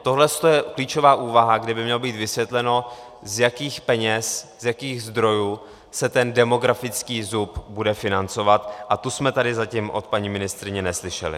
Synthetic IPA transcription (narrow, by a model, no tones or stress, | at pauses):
t̪o̞ɦlɛst̪ojɛkliːt͡ʃo̞vaːʔuːvaɦaɡdɪbɪmɲɛlobiːt̪vɪsvjɛt̪lɛno̞ | zjakiːxpɛɲɛszjakiːɣzd̪ɾo̞juː | sɛt̪ɛndɛmo̞ɡɾafɪt͡skiːzupbudɛfɪnant͡so̞vat̪ʔat̪usmɛt̪adɪzacimʔo̞̰t̪̚paɲiːmɪnɪst̪ɾɪɲɛnɛslɪʃɛ̰lɪ̰